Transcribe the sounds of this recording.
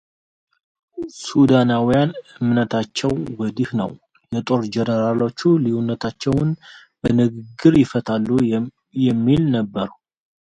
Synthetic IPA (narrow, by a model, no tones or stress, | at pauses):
sud̪anawijanɨmnət̪ʰat͡ʃːɛwwəd̪ihnə̰w | jɛt̪ʼo̞ɾd͡ʒɛnəɾalo̞t͡ʃːulijunːət̪ʰat͡ʃːɛwʊn | bənɨɡɨɡɨɾjɪfət̪ʰalːu | jɛmːilnəbːəɾ